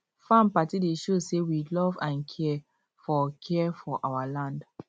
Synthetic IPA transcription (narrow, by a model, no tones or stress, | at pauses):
fãmpatideʃosewilɔvãnkʰɛ | fɔkʰɛfɔʔawalãnd